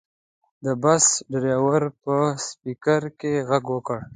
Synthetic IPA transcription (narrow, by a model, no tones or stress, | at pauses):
d̪əbasɖɾɑwaɾpəspikaɾkeɣaɡwəkəɽ